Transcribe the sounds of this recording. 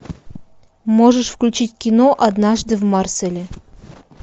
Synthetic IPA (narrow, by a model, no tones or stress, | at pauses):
moʐəʂfklʲʉt͡ɕitʲkʲinoʔad̪nɑʐd̪ɨvmarsʲelʲe